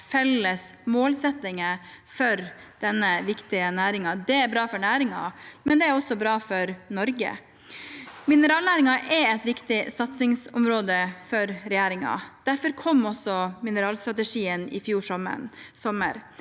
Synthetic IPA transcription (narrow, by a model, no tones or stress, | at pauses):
fɛlːəsmoːlsɛt̪ːɪŋəfɔɾd̪̥ɛnːəʋɪkt̪ɪənæːɾɪŋɑd̪ɛæɾbɾɑːfɔɳæːɾɪŋɑ̰mɛnd̪ɛæɾɔsːɔbɾɑːfɔɾnɔɾɡə̰ | mɪnəɾɑːlnæːɾɪŋɑʔɛɾɛt̪ʋɪkt̪ɪsɑt̪sɪŋsʊ̰mɾoːd̪əfɔɾɾɛjæːɾɪŋɑ̰d̪̥æɾfɔɾkʰɔmːɔsɔmɪnəɾɑːlst̪ɾɑt̪əʂiːənɪ̰fjuːʂɔmə̰nsɔmːə̰ɾ